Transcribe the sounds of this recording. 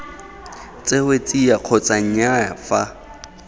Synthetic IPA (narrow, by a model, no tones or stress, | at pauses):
t͡sʼehwet͡sʼiaq͡χʰɔt͡sʼaŋ̩aja̰fa